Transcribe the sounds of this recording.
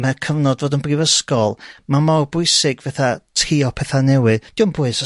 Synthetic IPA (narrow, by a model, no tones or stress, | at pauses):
mɛkʰəvnɔdvoːdənbrivəskɔlˠmamawbʊɨsɪɡvɛθatʰriːɔpʰɛθanɛwɨðd̥iwnbʊɨs